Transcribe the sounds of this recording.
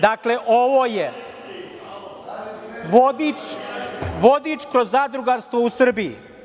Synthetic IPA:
d̪akleʔoʋoːje | ʋod̪it͡ʃ | ʋo̞d̪it͡ʃkɾozːaːd̪ɾuɡaɾst̪ʋo̞usr̩bijḭ

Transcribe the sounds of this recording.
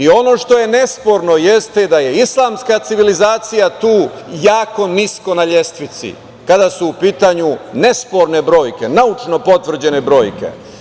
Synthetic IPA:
io̞no̞ʃt̪o̞je̞ne̞spo̞ɾno̞jest̪ed̪aje̞islˠaːmskat̪siʋilizaːt̪sijat̪uːjaːko̞nisko̞naʎest̪ʋit̪sḭ | kad̪asuːpiːt̪aɲune̞spo̞ɾne̞bɾo̞ːjke̞naut͡ʃno̞po̞t̪ʋr̩d͡ʑe̞ne̞bɾo̞ːjke̞̰

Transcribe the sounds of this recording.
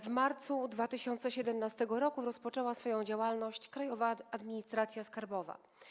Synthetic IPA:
vmaɾt̪sud̪vat̪ɘɕɔnt̪sɛɕɛd̪ɛmnast̪ɛɡɔɾɔkuɾɔspɔt͡ʂɛwasfɔjɔ̃w̃d͡ʑawalnɔɕt͡ɕkɾajɔvaːd̪mʲiɲist̪ɾat̪sʲjaskaɾbɔva̰

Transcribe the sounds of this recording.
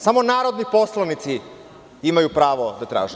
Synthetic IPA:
samo̞naːɾo̞d̪nipo̞slˠanit̪si | imajupɾaːʋod̪at̪ɾa̰ːʒe

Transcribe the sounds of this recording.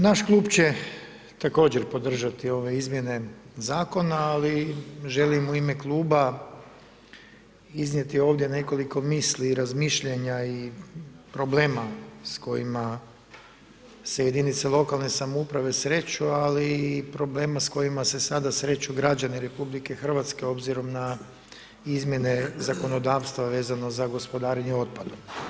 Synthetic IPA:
naʃklˠuːbt͡ɕe̞ | t̪ako̞ːd͡ʑeɾpo̞d̪r̩ʒat̪io̞ʋe̞izmje̞ne̞zaːko̞naːliʒe̞limuime̞klˠuːba | iznje̞t̪io̞ːʋd̪je̞ne̞ko̞liko̞miːsliɾazmiʃʎeɲai | pɾo̞ble̞ːmasko̞jima | se̞jed̪init̪selˠo̞kalˠne̞samoupɾaʋe̞sɾe̞t͡ʃualipɾo̞ble̞ːmasko̞jimase̞sad̪asɾe̞t͡ʃuɡɾad͡ʑaniɾe̞publike̞xr̩ʋat̪ske̞o̞bziɾo̞mna | izmʲje̞ne̞zako̞no̞d̪aːʋst̪ʋaʋe̞ːzano̞zaɡo̞spo̞d̪aːɾeɲeo̞t̪̚pad̪om

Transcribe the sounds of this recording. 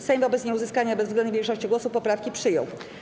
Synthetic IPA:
sɛjvɔbɛt̪sɲɛuzɘskaɲabɛzvzɡlɛnd̪uvʲjɛŋkʂɔɕt͡ɕiɡwɔsupːɔpɾafkʲipʂɘjɔ̰w

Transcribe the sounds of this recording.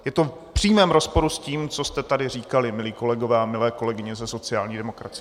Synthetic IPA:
jɛt̪o̞f | pr̥iːmɛːmɾo̞spo̞ɾusciːmt͡so̞st̪ɛt̪adɪriːkalɪmɪliːko̞lɛɡo̞vɛːamɪlɛːko̞lɛɡɪɲɛzɛso̞t͡sɪaːlɲiːdɛmo̞kɾat͡sɪ

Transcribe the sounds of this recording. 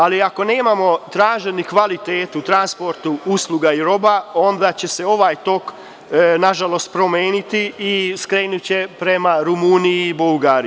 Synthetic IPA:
aliako̞ne̞ːmamo̞t̪ɾaːʒenikʋalit̪e̞ːt̪ut̪ɾanspo̞ɾt̪uuslˠuɡaiɾo̞bao̞nd̪aːt͡ɕe̞se̞o̞ʋaːjt̪o̞k | naʒalˠo̞st̪̚pɾo̞me̞ːnit̪iːskɾe̞ːnut͡ɕe̞pɾe̞maɾumunijibulɡaːɾi

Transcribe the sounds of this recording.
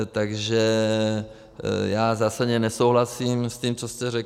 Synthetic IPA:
t̪aɡʒɛ | jaːzaːsadɲɛnɛsowɦlasimsciːmt͡sost̪ɛɾɛk

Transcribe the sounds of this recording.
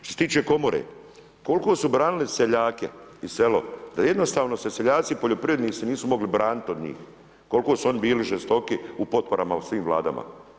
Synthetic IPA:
ʃt̪oset̪iːt͡ʃeko̞moɾḛ | ko̞lkoːsubɾaːniliseʎaːkḛise̞lo̞̰d̪ajed̪no̞st̪aːʋno̞seseʎaːt̪sipoʎo̞pɾije̞d̪niːsiniːsumo̞ɡlibɾaːnit̪od̪ɲḭːx | ko̞lkosuo̞nibiːliʒest̪o̞kiupo̞t̪̚po̞ɾamasʋiːmʋla̰ːd̪a̰mʔa̰

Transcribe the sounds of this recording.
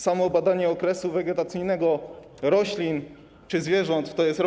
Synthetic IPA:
samɔbad̪aɲɛɔkɾɛsuvɛɡʲɛt̪at̪sɘjnɛɡɔ | ɾɔɕlʲin | t͡ʂɘzvʲjɛʐɔnt̪t̪ɔjɛst̪ɾɔ

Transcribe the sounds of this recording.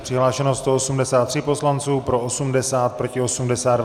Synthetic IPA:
pr̥ɪɦlaːʃɛnost̪oosumdɛsaːt̪ːr̥ɪpo̞slant͡suːpɾo̞ʔosumdɛsaːt̪̚pɾo̞cɪo̞sumdɛsaːd

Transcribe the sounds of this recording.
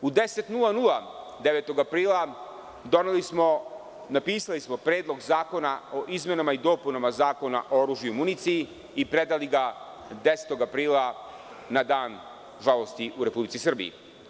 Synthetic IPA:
ud̪eset̪nulˠanulˠa | d̪eʋeːt̪o̞ɡapɾiːlˠa | d̪onelimo | napiːsalismo̞pɾe̞ːd̪lˠo̞ɡzaːko̞nao̞ʔizme̞namaid̪o̞ːpunamazaːko̞na̰ʔooɾuːʒjumunit̪sii | ipɾe̞d̪aliɡa | d̪eset̪o̞ɡapɾiːlˠa | nad̪aːn | ʒalo̞st̪iʔuɾe̞publit̪sisr̩bḭḭ

